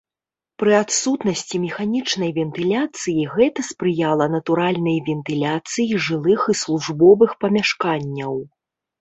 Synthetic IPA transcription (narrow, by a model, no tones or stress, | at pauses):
pɾɨat̪sut̪nɐsʲt͡sʲimʲɛxanʲit͡ʂn̪ɐjvʲɛnt̪ɨlʲat̪sɨjiɣɛt̪ɐspɾɨjalˠɐnɐt̪uɾalʲnɐjvʲɛnt̪ɨlʲat̪sɨjiʐɨlˠɨxislˠuʐbɔvɨxpɐmʲaʂkanʲːɐw